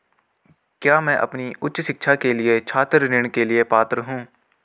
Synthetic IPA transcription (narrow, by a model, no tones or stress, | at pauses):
kjaːmɛ̃ːʔɐ̰pniʊtːʃʃɪkʃʰakeliet͡ʃʰaːt̪ɾnɪɽ̃keliepaːt̪ɾəɦũː